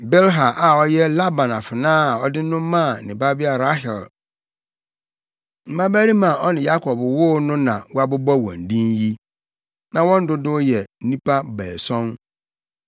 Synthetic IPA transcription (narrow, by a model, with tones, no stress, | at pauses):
bɛ˦lɦa˨ʔa˨ɔ˦jɛ˦la˦bã˨na˨fɪ˨nãː˦˨ɔ˦dɪ˦n̩˦nʊ̃˦m˦mã˦˨nɪ̃˨ba˦bi˦a˨ɾa˦ɦɛ˨l | m̩˦mã˦bæ˦ɾi˦mã˨ɔ˦nɪ̃˨ja˦kʰɔ˨bwʊ˦nʊ̃˦nã˨wʊ˦a˨bʊ˦bɔ˦wɔ̰̃˨n̩˨dĩ˦nji˦ | nã˨wɔ̃˦n̩˦dʊ˦dʊ˦jɛ˨n̩˦nĩ˦pa˦bɛː˨sɔ̃˦n